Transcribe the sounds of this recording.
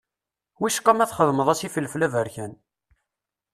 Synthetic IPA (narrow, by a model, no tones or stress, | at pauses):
wiʃə̥qːɑmæθχəðˤməðˤæsifəlːflævəɾçæn